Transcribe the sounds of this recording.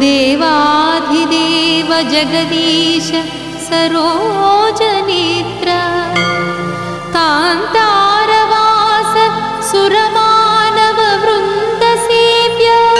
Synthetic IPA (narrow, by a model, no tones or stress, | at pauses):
d̪eːʋɐaːd̪ʱid̪eːʋɐd͡ʒɐɡɐd̪iːʃɐ | sɐɾoːod͡ʒɐnit̪ɾɐ | kaːnt̪ɐɾɐʋaːsɐ | suɾɐmaːnɐʋɐʋɾund̪ʱɐsiːpjɐ